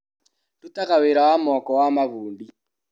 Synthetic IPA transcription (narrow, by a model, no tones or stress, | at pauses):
tutakaweɾawamɔkɔwamaβuːndi